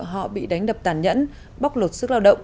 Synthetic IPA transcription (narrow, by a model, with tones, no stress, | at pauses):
ɦɔ̰˧˨ɓḭ˧˨ɗa˨˦jŋ̟ɗə˨˩p̚t̪aː˧˩nɲə̰˧˥n | ɓa˦˥k͡p̚lo˨˩t̚sɨ˦˥k̚laː˧wɗə̰˧˨wŋ͡m